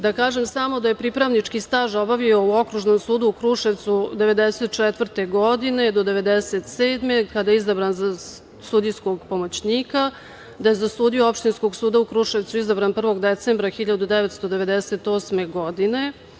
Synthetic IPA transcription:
d̪akaːʒemsamo̞d̪aje̞pɾipɾaʋnit͡ʂkist̪aːʒo̞baʋio̞uo̞kɾuʒno̞msuːd̪uukɾuʃeʋt̪sud̪e̞ʋe̞d̪eset̪̚t͡ʂɛt̪vr̩t̪e̞ɡod̪ine̞d̪o̞d̪e̞ʋe̞d̪eset̪seːd̪me̞kad̪ajeizabɾanza | sud̪ijsko̞ɡpo̞mo̞t͡ɕniːka | d̪aje̞zasuːd̪ioopʃt̪insko̞ɡsuːd̪aukɾuʂeʋt̪suizabɾanpr̩ʋo̞ɡd̪et̪sembɾaxiʎad̪ud̪eʋet̪st̪o̞d̪e̞ʋe̞d̪eset̪o̞ːsme̞ɡo̞d̪ine̞

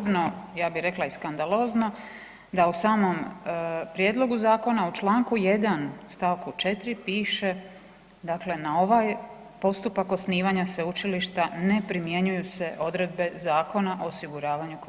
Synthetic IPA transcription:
bno̞jaːbiɾe̞klˠaiskand̪alˠo̞ːzno̞ | d̪ausaːmo̞mpɾje̞d̪lo̞ɡuzaːko̞naut͡ʃlˠaːŋkuje̞d̪anst̪aːʋkut͡ʃe̞t̪ɾipiːʃe̞ | d̪akle̞nao̞ʋaj | po̞st̪upako̞sniːʋaɲasʋeut͡ʃiliʃt̪ane̞pɾimje̞ɲujuse̞ʔo̞d̪ɾe̞d̪̚be̞zaːko̞naʔo̞osiɡuɾaːʋaɲuk

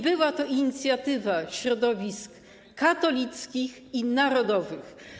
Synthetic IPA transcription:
bɘwat̪ɔʔiɲit̪sʲjat̪ɘvaɕɾɔd̪ɔvʲisk | kat̪ɔlʲit̪skʲix | inaɾɔd̪ɔvɘx

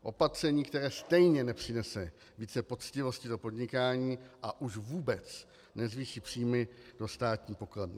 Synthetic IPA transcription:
ʔo̞pat̪r̥ɛɲiːkt̪ɛɾɛːst̪ɛjɲɛnɛpr̝̥ɪnɛsɛ | viːt͡sɛpo̞t͡scɪvo̞scɪdo̞po̞dɲɪkaːɲiːʔaʔuʃvuːbɛt͡s | nɛzviːʃiːpr̥iːmɪd̥o̞st̪aːt̪ɲiːpo̞klɛmɪ

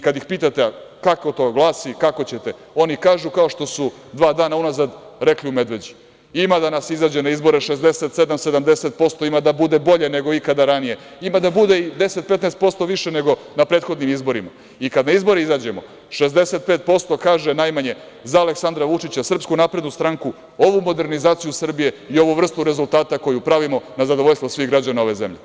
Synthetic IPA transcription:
ikad̪jixpiːt̪at̪eakakot̪oɡlˠaːsikako̞t͡ɕet̪e̞ | o̞nikaːʒukao̞ʃt̪o̞su | d̪ʋaːd̪aːnaunazad̪ | ɾe̞kliume̞d̪ʋe̞d͡ʑi | imad̪anasizaːd͡ʑenaizbo̞ɾeʃezd̪eset̪sed̪amse̞d̪amd̪eset̪̚po̞st̪o̞imad̪abud̪e̞bo̞ʎene̞ɡo̞ikad̪aɾanije̞imad̪abud̪e̞id̪eset̪̚pet̪nɛːst̪̚po̞st̪o̞ʋiʃene̞ɡo̞ | napɾeːt̪xo̞d̪nimizbo̞ɾima̰ | ikad̪naizbo̞ɾeizad͡ʑe̞mo̞̰ | ʃezd̪e̞set̪̚peːt̪̚po̞st̪o̞kaːʒenajmaɲe̞ | zaːleksand̪ɾaʋut͡ʂit͡ɕasr̩pskunaːpɾe̞d̪nust̪ɾaŋku | o̞ʋumo̞d̪e̞ɾnizaːt̪sijusr̩bije̞io̞ʋuʋr̩st̪uɾe̞zulˠt̪aːt̪ako̞jupɾaʋimo̞nazad̪ooʎst̪vʋosʋiɣɡɾad͡ʑanao̞ʋe̞zḛmʎḛ

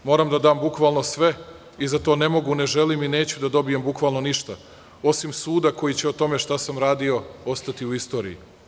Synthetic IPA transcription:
mo̞ːɾamd̪ad̪aːmbukʋalno̞sʋe̞ | izat̪one̞mo̞ɡune̞ʒe̞limine̞ːt͡ɕud̪ad̪o̞bijembukʋalˠno̞niʃt̪a | o̞simsuːd̪ako̞jit͡ɕeot̪o̞me̞ʃt̪asamɾaːd̪io̞ost̪at̪iuist̪o̞ːɾḭi

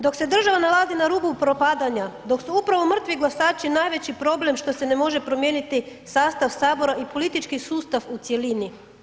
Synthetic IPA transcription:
d̪o̞kse̞d̪r̩ʒaʋanalˠazinaɾuːbupɾopaːd̪aɲad̪o̞ksuupɾaʋomr̩t̪ʋiɡlasaːt͡ʃinaːjʋe̞t͡ɕipɾo̞ble̞mʃt̪o̞se̞ne̞mo̞ʒe̞pɾo̞mje̞ːnit̪isaːst̪aʋsaːbo̞ɾaʔipo̞lit̪it͡ʃkisuːst̪aʋut̪sje̞lini

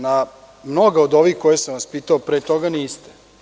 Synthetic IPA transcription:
na | mnoɡaod̪o̞ʋiːxkojesamʋaspiːt̪aopɾeːt̪o̞ɡaniːst̪e̥

